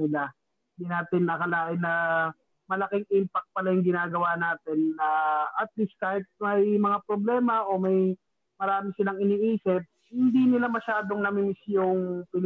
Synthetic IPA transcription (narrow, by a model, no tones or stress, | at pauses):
ɪla | ɪnd̪inaːt̪ɪnɐkɐlaːʔɪnːɐ | mɐlɐkɪŋʔimpɐk̚t̪̚pɐlajʊŋɡɪnaːɡɐwanaːt̪ɪnːɐɐt̪̚liskaːhɪt̪̚mɐjmɐŋapɾoblɛːmɐʔo̞mɐj | mɐɾaːmɪsɪlaŋɪniʔiːsɪp̚hɪnd̪inɪlamɐʃaːd̪o̞ŋnɐmɪmɪsjoŋpɪl